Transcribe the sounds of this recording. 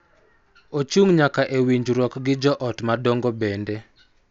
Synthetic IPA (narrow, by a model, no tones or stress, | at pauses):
ot͡ʃuŋɲakaʔewiɲd͡ʒɾwɔkɡɪd͡ʒɔʔɔtmadɔŋɡobɛnde